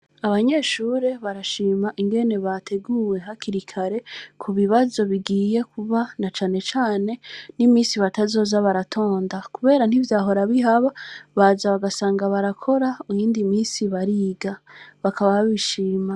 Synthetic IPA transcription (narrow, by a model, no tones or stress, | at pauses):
aβaɲe̞ːʃuːɾe̞βaɾaʃiːmaʔiŋɡe̞ne̞βatʰe̞ɡuːwe̞ɦakiɾikʰaɾe̞kʰuβiβazo̞βiɡiːje̞kʰuβanat͡ʃaːne̞t͡ʃaːne̞nimiːsiβatazo̞ːzaβaɾatʰo̞ːndakuβe̞ːɾan̥ivjaːɦo̞ɾaβiɦaβaβazaβaɡasaːŋɡaβaɾakʰo̞ɾaujiːndimiːnsiβaɾiːɡaβakʰaβaβaβiʃiːma